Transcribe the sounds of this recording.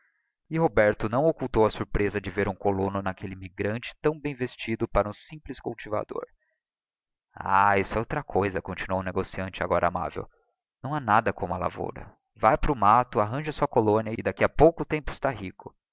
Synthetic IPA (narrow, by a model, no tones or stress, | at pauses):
ɪɦobɛɾt̪ʊnɐ̃w̃okuwt̪owɐsuɾpɾezɐd͡ʒɪveɾũkolõnʊnakʰelɪmiɡɾɐ̃nt͡ʃɪ̥t̪ɐ̃w̃bẽj̃vest͡ʃid̪ʊpaɾɐũsĩplɪskuwt͡ʃiva̰d̪o̰ɾ | a̰aisʊɛowt̪ɾɐkʰojzɐkõnt͡ʃinuow̃neɡosiɐ̃nt͡ʃɪa̰ɡɔɾɐama̰vḛw | nɐ̃w̃anad̪ɐkõũmɐla̰vo̰ɾɐ̰ | vajpɾʊmat̪ʊaɦɐ̃ʒɐsuɐkolõniɐɪd̪akiɐpowkʊt̪ẽmpʊɪst̪aɦikʊ